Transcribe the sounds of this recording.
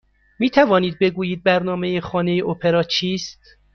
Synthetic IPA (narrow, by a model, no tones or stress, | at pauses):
miːt̪ʰævɒːniːd̪̚be̞ɡuːjiːd̪̚bæɾnɒːmejexɒːne̞jeʔopʰeɾɒːt͡ʃʰiːst̪